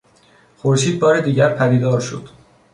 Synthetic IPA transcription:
xoɾʃiːd̪̚bɒːɾe̞d̪iːɟæɾpʰæd̪iːd̪ɒːɾʃo̰d̪̥

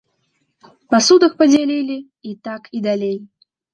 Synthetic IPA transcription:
pasud̪ɐxpɐd͡zʲalʲilʲi | it̪akʰid̪alʲej

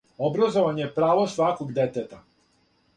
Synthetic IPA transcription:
obɾazoʋaɲejepɾaːʋo̞sʋakoɡd̪et̪et̪a

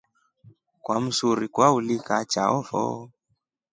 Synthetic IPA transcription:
kwam̩suɾikwaulikat͡ʃaɔfɔ̰

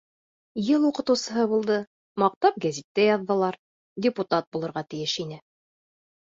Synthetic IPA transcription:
jɤlˠuqɤ̆t̪ɤ̆wsɤ̆ɦɤbulˠd̪ɤ | mɑq̚t̪ɑp̚ɡæzit̪ːæjɑðːɤ̆lˠɑɾ | dʲɪput̪ɑt̪̚bulˠɤ̆ɾʁɑt̪ɘ̆jɘʃinɘ

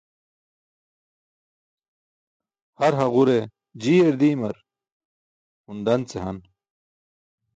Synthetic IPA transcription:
hɐɾɦɐʁuɾe | d͡ʑiːeɾd̪iːmɐɾ | und̪ɐnt͡seɦɐn

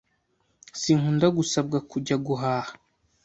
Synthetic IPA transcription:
siːŋhundaɡusabɡakuɟaɡuɦaːhḁ

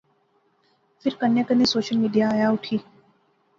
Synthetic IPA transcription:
fɪɾkənjãkənesoːʃəlmiːɖijaːjaʊʈʰiː

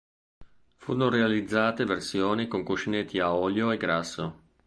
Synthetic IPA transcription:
fṵːɾonoɾealid̪zːaːt̪eversjoːnikoŋkuʃinet̪ʰːiaɔːljoeɡɾasːo

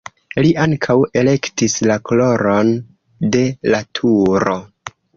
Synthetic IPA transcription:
liʔaŋkʰawe̞le̞ktislakolo̞ɾo̞n | de̞latʰuɾo̞

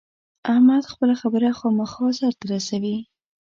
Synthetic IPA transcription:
ahmad̪xpəlaxabəɾaxɑmaxɑsaɾt̪aɾasawi

